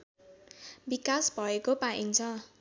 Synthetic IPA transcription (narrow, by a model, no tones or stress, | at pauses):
bikasbʱʌekopaʔiŋt͡sʰʌ